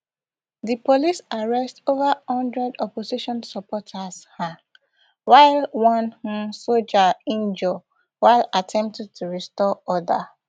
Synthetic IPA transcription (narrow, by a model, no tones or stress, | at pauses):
dipolisaɹɛstovahɔ̃ndɹɛdɔposiʃɔ̃nsɔpʰɔtʰasha | waɪlwɔ̃nhũsod͡ʒaĩnd͡ʒɔ | waɪlatʰɛ̃mp̚tɛd̚tʰuɹistɔɔda